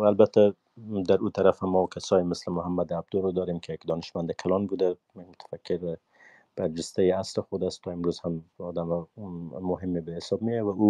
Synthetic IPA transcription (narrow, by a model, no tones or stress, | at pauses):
albat̪a | d̪aɾut̪ʰaɾafamːɔkʰasɔjɪmɪslɪmʊɦamːad̪ab̚d̪ʊlɾɔd̪ɒɾemkʰejakd̪ɔnɪʃmand̪ɪkʰalɒnbud̪a | mmʊt̪ʰḁfakʰːɪɾ | b̥aɾd͡ʒɪst̪ajiaslɪxʊd̪ast̪ʰːɔɪmɾuzhamɔd̪amɔmʊɦɪmːebehɪsɔb̚mijawau